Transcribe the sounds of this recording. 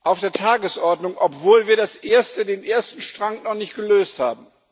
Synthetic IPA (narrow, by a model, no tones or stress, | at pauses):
ʔaʊfd̥eːɐtʰaːɡəsʔɔɐdnʊŋʔɔpv̥oːlviːɐdasʔeːɐstədeːnʔeːɐstn̩ʃtʁ̥aŋnɔχnɪçt̚ɡ̥əløːstha̰ːbm̩